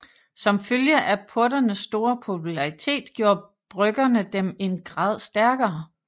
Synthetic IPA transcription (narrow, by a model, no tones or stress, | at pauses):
sɒ̽mføljəʔæpʰɔɐɾ̥ɐnəsːd̥o̝ːɐpʰo̝pʰulɑ̈it͡sʰe̝̰ːd̥ɡ̥jo̝ːɐ | b̥ʁœɡ̥ɐnəd̥eme̝nɡ̥ʁɑ̰̈ːð̞ˠsd̥æɐɡ̥ɐː